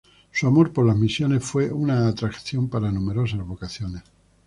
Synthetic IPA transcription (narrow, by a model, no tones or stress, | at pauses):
suamo̞ɾpo̞ɾlazmisjo̞ne̞sfwe̞unaːt̪ɾakθjo̞mpaɾanũme̞ɾo̞s̬azβo̞kaθjones